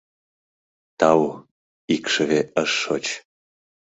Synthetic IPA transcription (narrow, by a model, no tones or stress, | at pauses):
t̪ɑw | ikʃəβeəʃːot͡ɕ